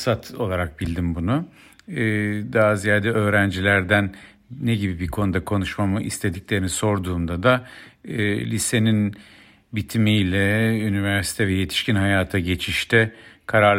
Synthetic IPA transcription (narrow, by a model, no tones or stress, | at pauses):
sat̪ʰo̞lˠaɾak̚bilʲd̪imbunu | ɛːd̪azijaːd̪ɛø̞ːɾænd͡ʒilʲæɾd̪æn | nːeɟibibikʰo̞nud̪akʰo̞nuʃmamɯʔḭst̪ʰe̞d̪iclʲe̞ɾiniso̞ɾd̪uːmd̪ad̪a | lʲise̞nin | bit̪ʰimijlʲɛynivæɾsi̥t̪ʰɛvɛje̞t̪ʰi̥ʃcinɦajaːt̪ʰaɟe̞t͡ʃʰiʃt̪ʰɛkʰaɾaɾ